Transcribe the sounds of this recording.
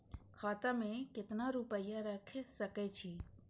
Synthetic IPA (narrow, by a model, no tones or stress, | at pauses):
kʰaːt̪amẽkɪt̪naɾupəjaɾəkʰsəkɛt͡ʃʰiː